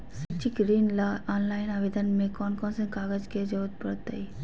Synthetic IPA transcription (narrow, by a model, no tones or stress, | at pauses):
sɐt͡ʃikɾiːnlaɔːnlaːɪnaːʋeːd̪ənmẽkɔːnkɔnsə̃nkaːɡəd͡ʒked͡ʒɐud̪̚pəɾt̪ːɐ̰i